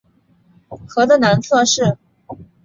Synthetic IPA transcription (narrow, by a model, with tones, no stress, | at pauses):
xɤ˧˥d̪ə˧na˧˥nt͡sʰɤ˥˧ʂɻ̩˥˩